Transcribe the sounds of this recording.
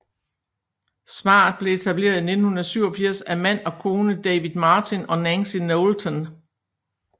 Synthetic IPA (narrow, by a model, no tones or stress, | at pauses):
sʋɑ̰̈ːð̩ˠb̥le̝e̝t͡sʰæb̥le̝̰ːɐð̞ˠine̝d̥n̩hunɐðˠsyʊɒ̽fiɐ̰sæmæn̰ɒ̽kʰo̝ːnəd̥ɛɪʋiðˠmɑ̈ːt͡sʰinɒ̽nænsinoʊlt͡sʰɒn